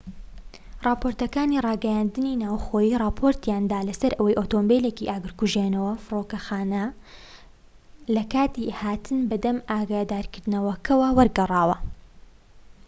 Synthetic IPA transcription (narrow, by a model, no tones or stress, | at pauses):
rˤɑːpoɾt̪ɐkaːnirˤɑːɡɐjaːnd̪ɨninaːwxoːjiːrɑːpʰoɾt̪jaːnd̪aːlɐsɐɾʔɐwɐjʔoːt̪oːmbelekiʔaːɡɨɾkuʒeːnɐwɐfɨrokɐxaːnɐ | lɐkaːt̪ihaːt̪ʰɨnbɐd̪ɐmaːɡaːd̪aːɾkɨɾd̪ɨnɐwɐkʰɐwɐwɐɾɡɐrˤɑːwɐ